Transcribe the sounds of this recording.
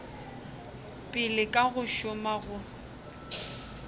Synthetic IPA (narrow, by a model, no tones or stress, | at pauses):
pʼɪlɪkʼaɣʊʃʊmaɣʊ